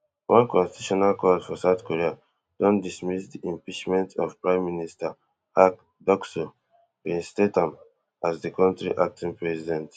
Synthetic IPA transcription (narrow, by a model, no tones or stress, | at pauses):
wʔɔ̃nkɔ̃nsttuʃɔnalkʰɔdfɔsaʊθkoɹia | d̥ɔ̃ndismisdiʔĩmpit͡ʃmɛ̃ntʰɔ̰v̥pɹãɪ̃mːinista | ak | dɔkso | ĩnstetãm | asdikɔ̃ntɹḭʔak̚tʰĩnpɹɛsidɛ̃nt